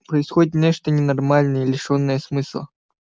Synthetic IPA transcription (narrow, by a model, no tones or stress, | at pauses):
pɾəɪsxodʲɪt̪nʲeʂt̪ənʲɪnɐrmalʲnəjəlʲɪʂonːəjəsmɨslˠə̰